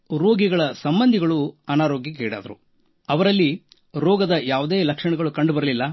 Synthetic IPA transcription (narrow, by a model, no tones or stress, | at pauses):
ɾoːɡiɡɐɭɐsɐmbɐnd̪ʱiɡɐɭuɐnaːɾoːɡjikeːɽa̰ːd̪ɐɾṵ | ɐʋɐɾɐlːi | ɾɔːɡɐd̪ɐjaːʋud̪eːlɐkʂɐɳɛɡɐɭukɐɳɖubɐɾɐlilːɐ